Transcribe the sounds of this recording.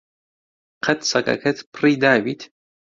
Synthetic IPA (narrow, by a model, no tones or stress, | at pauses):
qʰɐt̪sɐkɐ̰kʰɐt̪pʰɨriːd̪aːbiːt̪ʰ